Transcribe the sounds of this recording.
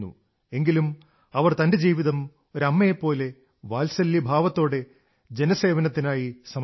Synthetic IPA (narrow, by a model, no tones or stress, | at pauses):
ṵ | e̞ŋɡilum | ɐʋɐrt̪ɐnde̞d͡ʑiːʋiðɐm | o̞ɾɐmːɐjepːo̞ːle̞ | ʋaːlsɐlːibʱaːʋɐt̪ːo̞ːɽe̞ | d͡ʑe̞nɐse̞ːʋɐnɐt̪ːinaːjisɐm